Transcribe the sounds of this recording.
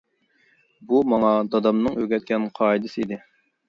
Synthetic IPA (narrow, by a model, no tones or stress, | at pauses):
bumɑŋɑd̪ɑd̪ɑmnɨŋøɡʲɛt̪̚kʲɛnqʰɑid̪ɨsɨid̪ɪ